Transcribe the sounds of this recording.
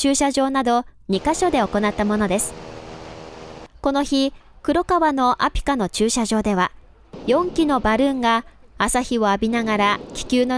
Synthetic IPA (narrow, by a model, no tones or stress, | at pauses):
t͡ɕɨːɕaʑo̞ːnad̪o̞ɲ̟ikaɕo̞d̪e̞o̞ko̞nat̪ːamo̞no̞d̪e̞sɨ̥ | ko̞no̞çi | kɯ̟ɾo̞kaβano̞ʔapʲi̥kano̞t͡ɕɨːɕaʑo̞ːd̪e̞βa | jõ̞ŋkʲino̞baɾɯ̟̃ŋɡaː | saçio̞abʲinaɡaɾakʲi̥kʲɨːno̞